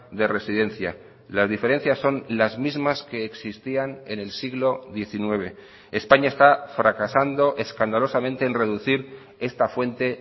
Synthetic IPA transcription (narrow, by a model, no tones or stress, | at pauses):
d̪e̞re̞siðe̞nθja̰ | lazðife̞ɾe̞n̟θjasːo̞nlazmizmaske̞ːksist̪iane̞ne̞lsiɣlo̞ðje̞θinwe̞β̞e̞ | espaɲae̞st̪afɾakasand̪o̞ʔe̞skand̪alo̞samẽnt̪e̞ːnre̞ðuθiɾ | e̞st̪afwe̞nt̪e̞